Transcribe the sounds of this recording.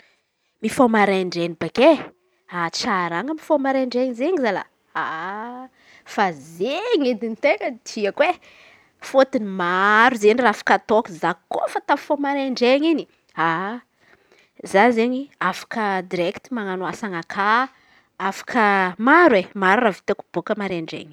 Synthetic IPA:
mifomaɾeɳɖ͡ʐenibeke | at͡ʃaɾaŋɡəmifomaɾeɳɖ͡ʐeɲizeɲizala̰ | a | fazeŋed̪init̪ekəd̪iəkwe | fot̪inimaɾuzenirafḁkat̪okizako̰fat̪avfomaɾeɳɖ͡ʐeɲini | a | zazeɲiafḁkəd̪iɾɛkt̪imaŋanuasaŋakʰa | afḁkʰəmaɾwemaɾuravi̥t̪aku̥b̥okəmaɾeɳɖ͡ʐḛŋ

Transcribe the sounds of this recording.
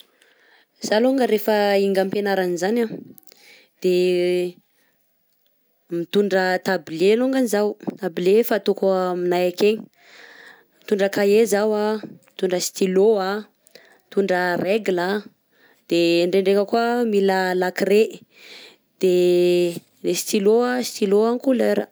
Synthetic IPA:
z̥aluŋɡəɾefəiŋɡəmpenaɾanizana | d̪̥e | mit̪uɳɖ͡ʐət̪abileluŋɡanizawt̪abilefat̪okuminajakeɲi̥ | mit̪uɳɖ͡ʐəkaezawamit̪uɳɖ͡ʐəst̪iloa | mit̪uɳɖ͡ʐəreɡla | d̪̥eɳɖ͡ʐeɳɖ͡ʐekəkuəmiləlakɾe | d̪̥e | lesi̥t̪iloasi̥t̪iloaŋkuleɾə

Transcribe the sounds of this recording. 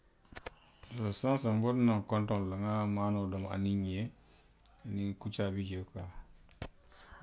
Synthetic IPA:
losansambotnaŋkɔntɔnlaŋamanodoma̰niɲie | nikut͡ʃabid͡ʒeka

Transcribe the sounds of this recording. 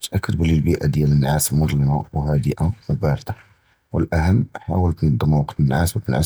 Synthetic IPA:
t̪ʔækːəd̪blilbiʔad̪jælənːʕasəlmʊd̪ˤləmawhæd̪əʔamʊbæɾt̪a | wəlʔæhəmːħawəlt̪nəd̪ˤːəmawqt̪ənːʕaswæfnʕas

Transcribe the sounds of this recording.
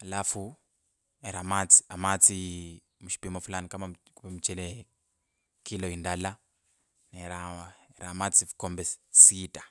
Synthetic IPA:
lafu | eɾamat͡si̥amat͡si | muʃi̥pimɔfulanikamakupɛmut͡ʃɛlɛ | kʰilɔindala | neɾaɾamat͡sifu̥kɔmbɛssitʼḁ

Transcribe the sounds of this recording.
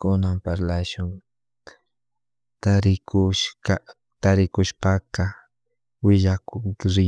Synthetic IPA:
kʊnampaɾlaʃʊŋ | t̪aɾɪkʊʃa | t̪aɾɪkʊʃpaka | wɪʎakʊŋɾɪ

